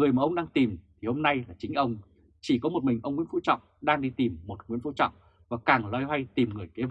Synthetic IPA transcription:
ŋɨ˨˩əjmaː˨˩ʔə˧wŋ͡mɗaː˧ŋt̪i˨˩mt̪ʰi˨˩ho˧mna˧jlaː˨˩t͡ɕï˨˦ŋ̟ʔə˧wŋ͡m | t͡ɕi˧˩kɔ˨˦mo˨˩t̚mï˨˩ŋ̟ʔə˧wŋ͡mŋḭ˧˥nfu˧˥t͡ɕɔ̰˧˨wŋ͡mɗaː˧ŋɗi˧t̪i˨˩mːo˨˩t̚ŋwi˧˥ənfṵ˧˥t͡ɕɔ̰˧˨wŋ͡m | vaː˨˩kaː˨˩ŋlaː˧jha˧jt̪i˨˩mŋɨ˨˩əjke˨˦v

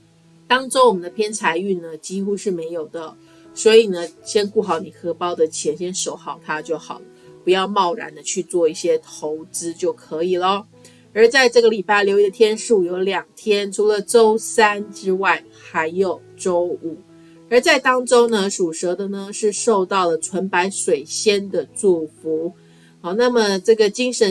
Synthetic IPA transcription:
t̪ɑ˥ŋʈ͡ʂo˥wɔ˨˩mə˦nd̪ə˧pʰjɛ˥nt͡sʰa˧˥ɪy˥˩nə˩t͡ɕi˥xu˥ʂɻ̩˥˩me˧˥ɪjo˨˩ʊd̪ə˦ | swɔ˧˥i˨˩nə˦ɕjɛ˥nku˥˩xɑ˧˩ʊni˨˩kʰɤ˥pɑ˥ʊd̪ə˨t͡ɕʰjɛ˧˥nɕjɛ˥nʂo˨˩ʊxɑ˨˩ʊt̪ʰa˥t͡ɕjo˥˩ʊxɑ˨˩ʊlə˦pu˧˥jɑ˥˧ʊmɑ˥˩ʊɻa̰˧˥nd̪ə˧t͡ɕʰy˥˧t͡swɔ˥˧i˥˩ɕjɛ˥t̪ʰo˧˥ʊt͡sɹ̩˥t͡ɕjo˥˩ʊkʰɤ˧˥i˨˩lə˦ | ə˞˧˥t͡sa˥˧ɪʈ͡ʂɤ˥˩ɡə˩li˨˩pa˥˩ɪljo˧˥ʊi˧d̪ə˨t̪ʰjɛ˥nʂu˥˩jo˧˥ʊljɑ˨˩ŋt̪ʰjɛ˥nʈ͡ʂʰu˧˥lə˨ʈ͡ʂo˥ʊsa˥nʈ͡ʂɻ̩˥wa˥˩ɪ | xa˧˥ɪjo˨˩ʊʈ͡ʂo˥ʊu˨˩˦ | ə˞˧˥t͡sa˥˩ɪt̪ɑ˥ŋʈ͡ʂo˥ʊnə˧ʂu˨˩ʂɤ˧˥d̪ə˨nə˩ʂɻ̩˥˧ʂo˥˧ʊt̪ɑ˥˩ʊlə˩ʈ͡ʂʰwə˧˥npa˧˥ɪʂwe˨˩ɪɕjɛ˥nd̪ə˨t͡swɔ˥˩fu˧˥ | ɔ˨˩na˥˩mə˨ʈ͡ʂɤ˥˩ɡə˩t͡ɕi˥ŋʂə˧˥

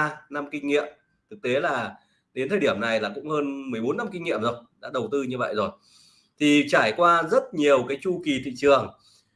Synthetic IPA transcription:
na˧mkï˧ŋ̟ŋḭ˧˨əm | t̪ʰɨ˨˩k̚t̪e˨˦laː˨˩ | ɗe˨˦nt̪ʰəː˨˩ɗi˧˩əmna˨˩jlaː˨˩kʊ̰˧˥ŋ͡mhəː˧nmɨ˨˩əjɓo˨˦nːa˧mki˧ŋ̟ŋḭ˧˨əmzo˨˩jɗa̰ː˧˥ɗə˨˩wt̪ɨ˧ɲɨ˧və̰˧˨jzo˨˩j | t̪ʰi˨˩t͡ɕaː˧˩jkwaː˧zə˦˥t̚ɲi˨˩əwkaː˨˦jt͡ɕu˧ki˨˩t̪ʰḭ˧˨t͡ɕɨ˨˩əŋ

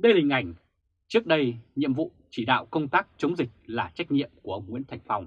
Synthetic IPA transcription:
ɗə˧jlï˨˩ŋ̟ʔa˧˩jŋ̟ | t͡ɕɨ˦˥ək̚ɗə˧jɲḭ˧˨əmvṵ˧˨t͡ɕi˧˩ɗa̰ː˧˨wkə˧wŋ͡mt̪aː˦˥k̚t͡ɕə˨˦wŋ͡mzï˨˩k̟̚laː˨˩t͡ɕa˦˥jk̟̚ɲḭ˧˨əmku˧˩əʔə˧wŋ͡mŋwḭ˧˥ənt̪ʰa˨˩jŋ̟fa˨˧˩wŋ͡m

